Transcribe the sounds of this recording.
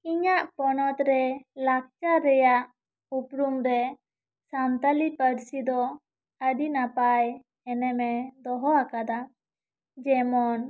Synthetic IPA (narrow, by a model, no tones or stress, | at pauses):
iɲaʔpɔnɔt̪ɾɛlak̚t͡ʃaɾɛjaʔ | upɾumɾɛ | samt̪alipəɾsid̪ɔ | əɖinapaj | ɛnɛmɛd̪ɔɦɔakad̪a | d͡ʒɛmɔn